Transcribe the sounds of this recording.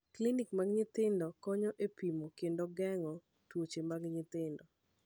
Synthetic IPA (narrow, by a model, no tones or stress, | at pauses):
klinikmaɡɲɪt̪ɪndɔkɔɲɔʔepimokendoɡɛŋɔ | twot͡ʃemaɡɲɪt̪ɪndɔ